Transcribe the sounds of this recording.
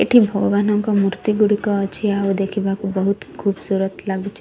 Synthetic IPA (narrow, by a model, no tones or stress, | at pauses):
ḛʈʰibʱɔɡɔʋanɔŋkɔmuɾt̪iɡuɽikɔːt͡ʃʰiaud̪ekʰibʱakubəɦut̪kʰubsuɾət̪laɡut͡ʃʰe